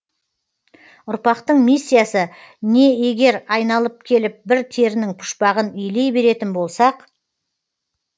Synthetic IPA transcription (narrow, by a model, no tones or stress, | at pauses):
ʊɾpɑqt̪əɴmijsːijasə | ne̞e̞ɡʲe̞ɾɑjnɑlˠəp̚kʲʰe̞lɪp̚bɪɾt̪ʰe̞ɾɪnɪŋpʰʊ̥ʃpɑʁənʏjle̞jbe̞ɾe̞t̪ɪnbo̞lˠsɑq